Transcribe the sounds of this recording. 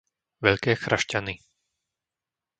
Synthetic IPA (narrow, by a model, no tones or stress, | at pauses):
ʋɛʎkɛːxɾʔaʃcani